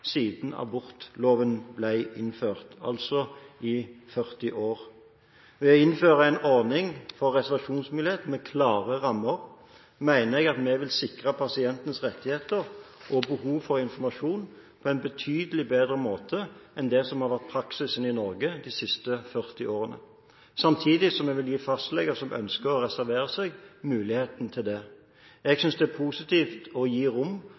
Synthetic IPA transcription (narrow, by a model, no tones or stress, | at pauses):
siːd̪n̩ɑ̰bʊʁt̪loːʋənblæɪɪnføːʁt̪ɑ̰lsɔʔɪfœʁt̪ɪʔoːʁ | ʋɛɔɪnføːʁəæɪnɔʁnɪŋfɔʁʁɛsɛʁʋɑʂuːnsmɪleːt̪mɛkʰlɑːʁəʁɑmːəɾ | mæɪnəɛɡɑt̪mɛʋɪlsɪkʁəpʰɑsɪɛnt̪ən̩sʁɛt̪ːɪheːt̪əʁʔɔbəhuːʋfɔʁɪnfɔmɑʃuːn | pʰɔɛnbət̪ʰyːd̪əlɪbeːd̪ɾəmoːt̪ʰəʔɛnd̪ɛsɔmhɑɾʋæʁt̪̚pʰɾɑksɪsənɪnɔɾɡəd̪ɪsɪst̪əfœʁt̪ɪʔoːʁənə̰ | sɑmt̪ʰiːd̪ɪsɔmːɛɡʋɪljiːfɑst̪lɛɡəsɔmʔœ̰nskəʁɔɾɛsæɾʋeːʁəsɛɡmʉːlɪheːt̪nt̪ʰɪld̪ɛ | ɛɡsʏnsd̪ɛæpʰuːsɪt̪ʰiːft̪ɔjiːɾʊmː